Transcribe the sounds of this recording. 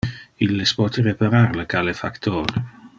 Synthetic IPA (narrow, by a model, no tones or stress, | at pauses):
ilːespɔːt̪ʰəɾepaɾaɾləkʰalefakt̪ʰɔːɾ